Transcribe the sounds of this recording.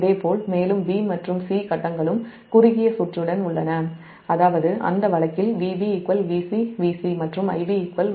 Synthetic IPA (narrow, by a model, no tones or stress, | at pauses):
ðeːpoːlmeːlɯmʋiːmɐʈrɯmsiːkɐʈːɐŋɡɐɭɯm | kʊrʊɣɪjɐsʊʈrɯɽɐnʊɭːɐnɐ | ɐðaːʋɐðɯʔɐ̰nd̪ɐʋɐɭɐkːɪlʋiːʋiɛkːʋɐlʋiːsiʋiːsimɐʈrɯmɐ̰ɪʋiɛkʋɐl